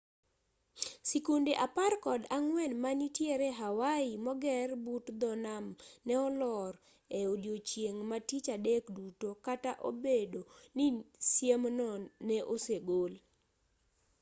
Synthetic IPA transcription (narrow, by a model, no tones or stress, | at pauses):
sikundeʔaparkɔdaŋwɛnmanitjeɾɛɦawaimɔɡɛrbutd̪ɔnamnɛɔlɔr | eodjot͡ʃjeŋmatit͡ʃadekdutokataʔo̰bedonisjemnɔnɛʔoseɡol